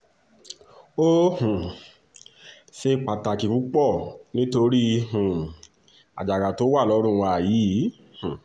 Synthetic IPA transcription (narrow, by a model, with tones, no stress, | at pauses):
o˦hũ˨ | se˧k͡pa˨ta˨ki˨ku˨˦k͡pɔ˦˨nĩ˦to˧ɾi˦hũ˨ | a̰˨d͡ʒa˨ɾa˨to˦wa˦˨lɔ˨˧˦ɾ̃ũ˦˨˧wa˧˨jiː˨˦ | hũ˨